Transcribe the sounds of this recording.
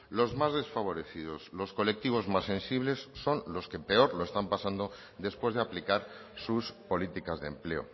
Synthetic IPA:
lo̞zmazðe̞sfaβ̞o̞ɾe̞θið̞o̞slo̞sko̞le̞k̚t̪iβ̞o̞zmasːẽ̞nsiβle̞sːo̞nlo̞ske̞pe̞o̞ɾlo̞e̞st̪ampasand̪o | d̪e̞spwe̞zðe̞aplikaɾ | suspo̞lit̪ikazðemple̞o̞̰

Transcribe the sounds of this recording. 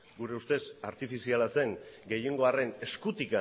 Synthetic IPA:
ɡuɾe̞ust̪e̞saɾt̪ifisialase̞ŋɡe̞je̞ŋɡo̞are̞ne̞skut̪ika

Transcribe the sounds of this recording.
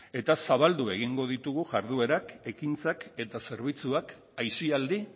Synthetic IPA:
e̞t̪asaβald̪ue̞ɣ̞iŋɡo̞ðit̪uɣuʝaɾð̞ue̞ɾake̞kint͡sake̞t̪ase̞ɾβ̞it͡suak | ajsiald̪i

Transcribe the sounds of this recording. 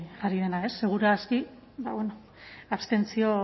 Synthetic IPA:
aɾiðe̞nae̞sːe̞ɣ̞uɾaski | ba̰βweno | aβst̪e̞nt͡sio̞

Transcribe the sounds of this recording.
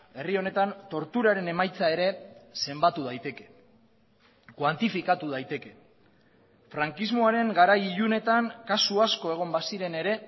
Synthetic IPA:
e̞rio̞ne̞t̪ant̪o̞ɾt̪uɾaɾe̞ne̞majt͡sae̞ɾe̞se̞mbat̪uð̞ajt̪e̞ke | kwant̪ifikat̪uð̞ajt̪e̞ke̞ | fɾaŋkizmo̞aɾe̞ŋɡaɾajiʎune̞t̪aŋkasuasko̞e̞ɣ̞o̞mbasiɾe̞ne̞ɾe̞

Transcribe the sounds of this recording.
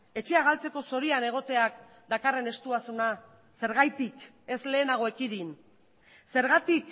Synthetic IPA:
e̞t͡ʃe̞aɣ̞alt͡se̞ko̞so̞ɾiane̞ɣ̞o̞t̪e̞ak̚ | d̪akare̞ne̞st̪uasuna | se̞ɾɣajt̪ik | e̞sle̞ːnaɣ̞o̞e̞kiðin | se̞ɾɣat̪ik

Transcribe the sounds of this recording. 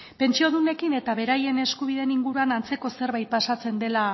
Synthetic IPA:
pe̞nt͡ʃio̞ðune̞kine̞t̪aβe̞ɾaje̞ne̞skuβ̞iðe̞niŋɡuɾuanant͡se̞ko̞se̞ɾβajt̪̚pasat͡se̞nd̪e̞la

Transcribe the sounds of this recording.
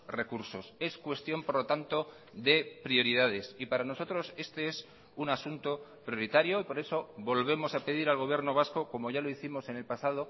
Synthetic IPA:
re̞kuɾso̞se̞skwe̞st̪jompo̞ɾlo̞t̪ant̪o̞ | ðe̞pɾio̞ɾið̞að̞e̞sipaɾano̞so̞t̪ɾo̞se̞st̪e̞e̞s | unasunt̪o̞pɾjo̞ɾit̪aɾjo̞ipo̞ɾe̞so̞βo̞lβ̞e̞mo̞sape̞ðiɾalɣo̞β̞je̞ɾno̞β̞asko̞ko̞mo̞ʝalo̞iθimo̞se̞ne̞lpasað̞o

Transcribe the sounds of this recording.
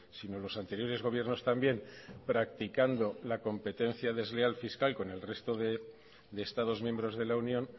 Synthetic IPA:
sino̞lo̞sant̪e̞ɾjo̞ɾezɣ̞o̞β̞je̞ɾno̞st̪ambje̞mpɾak̚t̪ikand̪o̞lako̞mpe̞t̪e̞n̟θjaðe̞zlealfiskalko̞ne̞lre̞st̪o̞ðe | d̪e̞ːst̪aðo̞zmje̞mbɾo̞zð̞e̞launjõ̞n

